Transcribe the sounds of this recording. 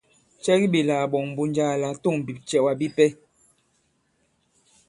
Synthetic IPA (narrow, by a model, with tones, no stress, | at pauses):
t͡ʃɛ˦ɣi˦bi˨laː˨ɓɔ˨ŋm˨bu˦nd͡ʒaː˦˨la˨to˦˨ŋ˨bi˨p̚t͡ʃɛ˦˨wa˨bi˦pɛ˦